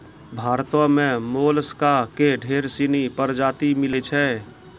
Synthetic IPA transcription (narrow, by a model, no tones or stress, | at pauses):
bʱaːɾt̪õmẽmoːlskakeɖʱeːɾsinipəɾd͡ʒaːt̪imɪlet͡ʃʰɛː